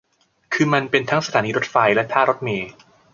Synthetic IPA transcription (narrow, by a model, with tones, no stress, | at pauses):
kʰɯː˧ma˧npe˧nt̪ʰa˦˥ŋsa˧aː˩˦niː˧ɾo˦˥t̪̚fa˧jlɛ˦˥t̪ʰaː˥˩ɾo˦˥t̪̚meː˧